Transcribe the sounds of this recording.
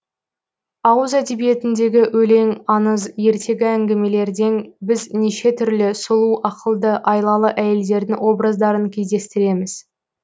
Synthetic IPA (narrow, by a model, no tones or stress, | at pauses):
ɑwəzæd̪e̞bije̞t̪ɪnd̪e̞ɡʲɪʔwʔɵle̞ŋɑnəzje̞ɾt̪ʰe̞ɡʲɪæŋɡʲe̞me̞le̞ɾd̪e̞nbɪzneʃe̞t̪ʰʏɾlɪsʊlˠuʔɑqəlˠd̪əʔɑjlˠɑlˠəʔæje̞ld̪e̞ɾd̪ɪŋwo̞bɾəzd̪ɑɾəŋkʲʰe̞zd̪e̞st̪ɪɾe̞mɪz̥